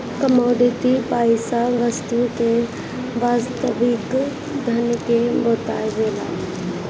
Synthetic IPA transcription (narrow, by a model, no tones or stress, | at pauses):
kəmoːɖit̪ipaːɪsaʋəst̪uke | ʋaːst̪əʋɪk | d̪ʱɐnkeboːt̪a̰zeːla̰ː